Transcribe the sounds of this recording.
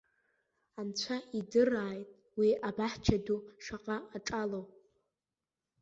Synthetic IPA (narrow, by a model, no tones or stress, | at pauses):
ant͡ɕʷʰaidɨraːjtʼ | wiabaħt͡ʃʰaduʂaqʼaːʈ͡ʂʼalowʼ